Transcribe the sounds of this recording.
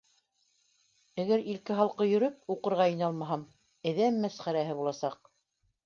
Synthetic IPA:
æɡæɾilkɘɦɑlˠqɤjɵ̆ɾɵp̚uqɤ̆ɾʁɑɤ̆nɑlˠmɑɦɑm | ɘ̆ðæmːæsχæɾæɦɘβulˠɑsɑq̚

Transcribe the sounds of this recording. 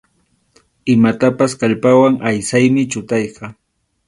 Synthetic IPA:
ɪmat̪apaskaʎpawaŋʔajsajmɪt͡ʃʊt̪ɑjqɑ

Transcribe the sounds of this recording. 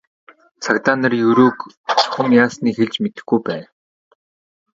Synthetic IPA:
t͡sʰakt̪anə̆rjɵɾoːk | χʰʊmjaːsniːxeɮt͡ɕmet̪ɘ̆xɡujpæːn

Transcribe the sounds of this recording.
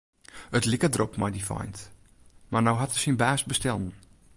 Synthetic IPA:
ətlɪkədropmajdifɔ̰jnt | marnowɦatəsinbaːsbəstɛlˠn̩

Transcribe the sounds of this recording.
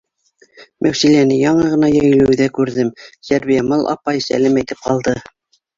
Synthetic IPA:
mʔæwsilænɘjɑɴɤʁɤ̆nɑjæ̆jlɵ̆wðækʉɾðɘmsæɾβijæmɤlˠʔɑ̰pɑjsæ̰læmæjt̪ɘp̚qɑlˠd̪ɤ

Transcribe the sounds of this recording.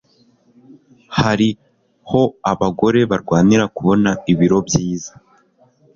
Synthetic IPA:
haɾi | ho̞aβaɡo̞ɾe̞βaɾɡwaːniɾakuβo̞naiβiɾo̞bjiːzḁ

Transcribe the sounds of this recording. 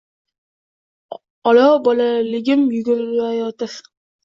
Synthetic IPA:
ɒlɒbɒlalɪɡʲɪmjʊɡʊɾɪlajɒt̪ɪɾ

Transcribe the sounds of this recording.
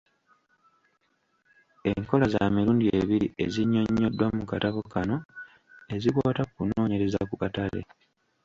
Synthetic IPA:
e̞ŋko̞laza̰miɾuːndie̞βiɾie̞ziɲːo̞ɲːodːwamukataβokano̞ | e̞zikwaːtakuno̞ːɲe̞ɾe̞zakukatale̞̰

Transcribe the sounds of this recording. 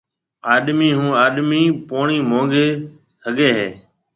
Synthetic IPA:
aːɗmiːɦũːaːɗmiːpoːɳiːmõːŋɡeː | səɠeːɦeː

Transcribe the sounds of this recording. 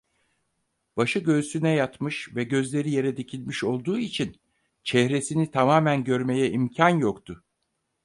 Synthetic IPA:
b̥aʃɯɟø̞synɛjat̪mɯʃvɛɟø̞zlʲe̞ɾije̞ɾɛd̪ecʰilʲmiʃo̞lˠd̪uːit͡ʃʰin | t͡ʃʰɛhɾe̞sinit̪ʰamaːmænɟø̞ɾme̞jɛʔimcʰanjokt̪ʰʊ

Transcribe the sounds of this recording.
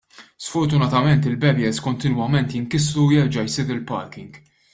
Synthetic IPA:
sfɔɾt̪ʊnɐt̪ɐmɛnt̪ɪlbɛbjɛskɔnt̪ɪnwɐmɛnt̪jɪŋkɪslujɛɾd͡ʒɐjsɪːɾɪlpɐ̰ɾkɪŋɡ

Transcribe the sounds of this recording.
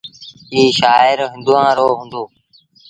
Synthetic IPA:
iːʃaːɪɾɦə̃nd̪uãːɾoːɦũːnd̪oː

